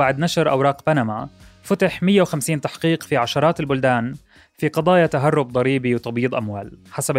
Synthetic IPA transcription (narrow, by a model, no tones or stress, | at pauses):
aʕd̪naʃɾʔa̰wɾˤɑːqbanamafʊt̪aħmɪjːawxamsiːnt̪aħqiːqfiʕaʃɑɾˤɑːt̪ɪlbʊld̪aːn | fiqɑd̪ˤɑːjat̪aɦarˤːʊb̚d̪ˤɑɾiːbiwt̪ˤɑbiːd̪ˤʔamwa̰ːlħasab